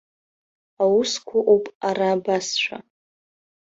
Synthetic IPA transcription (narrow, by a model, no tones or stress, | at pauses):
awʊskʷʰaʔupʼaɾaːbasʃʷʰa̰